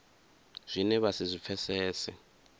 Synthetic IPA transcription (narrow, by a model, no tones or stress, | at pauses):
z̥ʷinɛβasizʷip̪fʰɛsɛːsɛ